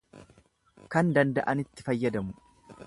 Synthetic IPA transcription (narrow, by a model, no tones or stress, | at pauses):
kɐnd̪ɐnd̪ɐʔɐnɪt̪ːɪfɐjːɐd̪ɐmʊ